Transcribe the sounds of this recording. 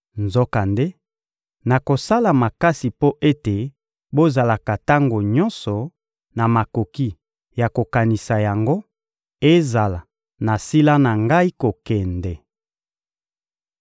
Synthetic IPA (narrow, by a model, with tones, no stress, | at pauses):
nzo˦ka˨nde˦ | na˨ko˨sa˦la˨ma˨ka˦si˨po˦ʔe˦te˨ | bo˦za˨la˨ka˨ta˦ŋɡo˨ɲɔ˦nsɔ˨ | na˨ma˨ko˨ki˦ | ja˨ko˨ka˨ni˨sa˨ja˨ŋɡo˦ | e˦za˨la˨ | na˨si˦la˦na˨ŋɡa˦i˦ko˨kɛ˨ndɛ˨